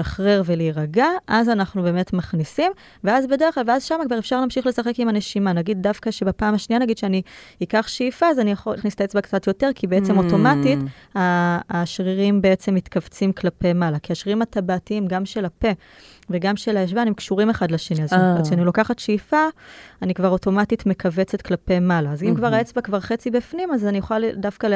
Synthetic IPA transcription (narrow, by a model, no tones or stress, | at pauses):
ʃaχʁeʁve̞liiʁaɡaʔazanaχnube̞ːme̞tmaχnisim | veazbe̞deχlalveazʃamaɡvaʁefʃaʁlaːmʃiχle̞saχe̞kimane̞ʃimanaɡid̚dafkaʃe̞bapaːmaʃnianaɡid̪ʃeaniikaχʃefaazanijaχolnistajet͡sbakt͡satjote̞ʁkʰibeet͡se̞mo̞to̞matit | aːʃʁiʁimbeet͡semːitkavt͡simklape̞jmalakiaʃʁiʁimatabaːtiimɡamʃe̞lape̞ | veɡamʃe̞lajeʃ̬vanemkʃuʁime̞χadleʃe̞niazʃeanilo̞kaχatʃeifaːnikvaʁo̞to̞matitmekʰave̞t͡set̪klape̞jmalaːzimkvaʁaet͡sbakvaʁχe̞t͡sibifnimazanijuχaldafkal